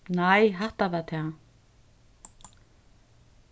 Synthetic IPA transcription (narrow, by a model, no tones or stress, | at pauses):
najɦaht̪avat̪ʰa